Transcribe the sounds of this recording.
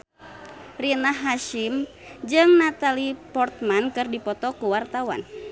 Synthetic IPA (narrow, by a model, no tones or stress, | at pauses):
rinaɦːaʃim | d͡ʒɨŋnat̪alipɔrt̪̚mankɨrdipɔt̪ɔkuwart̪awa̰n